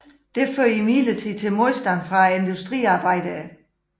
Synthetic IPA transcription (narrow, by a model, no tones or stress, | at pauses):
d̥e̝føɐ̰imilət͡sʰit͡sʰe̝lmoðsd̥ænfʁɑ̈e̝nd̥usd̥ʁḭːɑ̈ːb̥ɑ̈ɪ̰d̥ə